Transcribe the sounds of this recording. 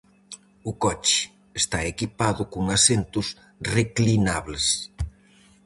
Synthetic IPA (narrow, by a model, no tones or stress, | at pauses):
ʊkɔt͡ʃɪ̥ | est̪aekipaðʊkʊŋasent̪ʊs | reklinaβles